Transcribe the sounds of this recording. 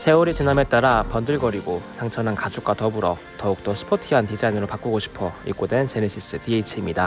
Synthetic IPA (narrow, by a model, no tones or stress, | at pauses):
sʰe̞uɾit͡ɕiname̞t͈aɾapʌndɯɭɡʌɾiɡosʰaŋt͡ɕʰʌnɦankad͡ʑuk͈atʌbuɾʌ | tʌuk̚t͈ʌsʰɯ̥pʰotʰiɦantid͡ʑainɯɾopak͈uɡoɕʰi̥pʰʌḭk͈odwe̞nt͡ɕeneɕʰis͈ɯtieit͡ɕʰimɲida